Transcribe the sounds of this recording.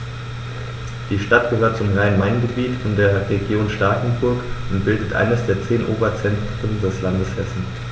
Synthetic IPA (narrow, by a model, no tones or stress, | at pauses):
d̥iːʃtat̚ɡ̥əhøːɐt̚t͡sʊmʁaɪnmaɪnɡəbiːtɪndeːɐʁeɡjoːnʃtaɐkn̩bʊɐkʔʊntb̥ɪldətʔa̰ɪnəsd̥eːɐt͡seːnʔo̰ːbɐt͡sɛntʁ̥əndɛslandəshɛsn̩